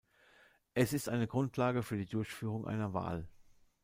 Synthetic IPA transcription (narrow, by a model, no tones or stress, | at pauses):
ʔɛsɪstʔaɪnəɡʁʊntlaːɡəfyːɐdiːdʊɐçfyːʁ̞ʊŋʔa̰ɪnɐva̰ːl